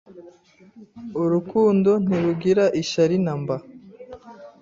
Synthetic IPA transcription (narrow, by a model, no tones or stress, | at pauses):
uɾukuːndo̞n̥iɾuɡiɾaʔiʃaɾinamba